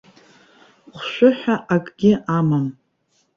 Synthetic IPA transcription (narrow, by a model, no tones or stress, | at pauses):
χʷʃʷᶣʊħʷᶣaʔakʼɡʲɪʔamam